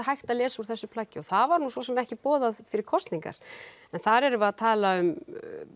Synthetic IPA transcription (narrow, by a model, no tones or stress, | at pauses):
hajht̪alɛːsuɾ̥θɛsːʏpʰlaːcːɪɔθaðvaɾnusvɔsɛmɛhcɪpɔːðaðfɪɾɪɾ̥kʰɔst̪niŋka̰ɾ̥ | ɛnθaɾɛɾʏvaat̪ʰaːlaʏm